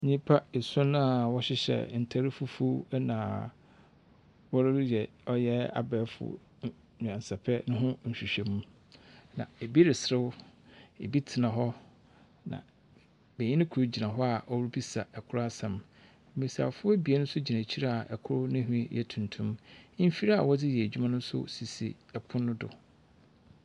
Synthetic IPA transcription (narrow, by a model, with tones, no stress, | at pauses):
ɲĩ˦pʰa˦e˨sʊ̃˦nã˦a˨wɔ˦ɕɪ˦ɕɛ̰˨n̩˨tʰa˦ɾɪ˦fʊ˦fu˦nã̰ː˨ | wɔ˦ɾɪ˦ɾɪ˦jɛ˨ | ɔ˦jɛ˦a̰˨bɛ˨˦fʊ̰˨ | ɲ̃˨ã˨n˨sa˨pʰɛ˦nʊ̃˦ɦʊ̃˦ɲ̩˨ɕᶣi˨ɕᶣɛ˨mũ˦ | nã̰˨e˨bi˦ɾɪ˨sɾɪ˦wʊ˦ḛ˨bi˦tʰɪ˨nã˨ɦɔ˦ | nã̰˨ | be˨ɲĩ˦nɪ̃˦kʰu˨u˦d͡ʑi˨nã˨ɦɔ˦a˨ʔɔ˦wɾʊ˦bi˦sa˨ʔɛ˨kʰʊ˦ɾa˦sã˨m˦ | mi˨ɾi˨sa̰˨fʊ˦ɛ˦bi˨e˦nʊ̃˦sʊ˦d͡ʑi˨nã˨t͡ɕʰi˦ɾa˦a˨ʔɛ˨kʰʊ˦ɾʊ˦nɪ̃˦ɦᶣĩ˦jɛ̰˨tʰũ˨ntʰũ˦m̩˦fi˦ɾa˦a̰˨wɔ˦d͡zɪ˦jɛ˨d͡ʑᶣu˦mã˦nʊ̃˦sʊ̰˦si˨sḭ˨ | ɛ˨pʰʊ̃˦nʊ̃˦dʊ̰˨